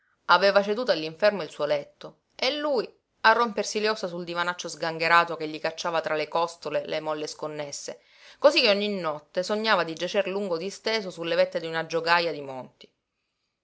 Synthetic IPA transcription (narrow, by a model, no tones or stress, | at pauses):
aveːvat͡ʃed̪uːt̪oalːiɱfɛrmoilsuolɛt̪ːo | elːuj | arːompersiljɔsasuld̪ivanat͡ʃːozɡaŋɡeɾaːt̪okeʎːikat͡ʃːaːvat̪ɾalekɔst̪olelemɔlːeskonːesːe | kosikːeoɲːinːɔt̪ːesoɲːaːvad̪id͡ʒat͡ʃerluŋɡod̪ist̪eːzosulːevet̪ːed̪iunad͡ʒoɡajad̪imont̪i̥